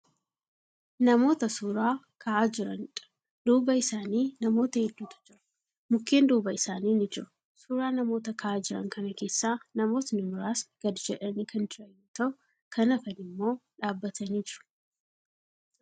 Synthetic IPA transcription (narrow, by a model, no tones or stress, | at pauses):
nɐmo̞ːt̪ɐsuːɾaː | kʰɐʔaːd͡ʒɪɾɐnᶑ | d̪uːbɐɪsaːniːnɐmo̞ːt̪ɐhɛd̪ːuːt̪ɐ̥d͡ʒɪɾɐ̥ | mʊkːe̞ːnd̪uːbɐɪsaːniːnɪd͡ʒɪɾʊ̥ | suːɾaːnɐmo̞ːt̪ɐkʰɐʔaːd͡ʒɪɾɐ̰ŋkɐnɐke̞ːsːaːnɐmo̞ːt̪nɪmʊɾaːsɡ̥ɐd̪ɪd͡ʒɛᶑɐniːkɐnd͡ʒɪɾɐjːuːt̪ɐʔʊ | kʰɐnɐfɐnɪmːo̞ːᶑaːbːɐt̪ʰɐniːd͡ʒɪɾʊ̥